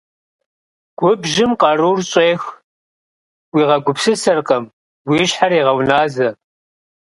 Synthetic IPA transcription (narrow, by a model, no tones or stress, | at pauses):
ɡ̥ʷʊbʒɪmqɑruːrɕʼeːx | wiːʁɐɡʷʊpsɨsɐrqʼɐm | wiːɕħariːʁɐwnaːzɐ